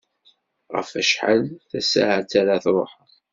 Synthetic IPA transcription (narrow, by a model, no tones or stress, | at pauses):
ʁə̰fæʃħa̰lθæsa̰ʕat͡sːaɾaθɾˤo̰ħ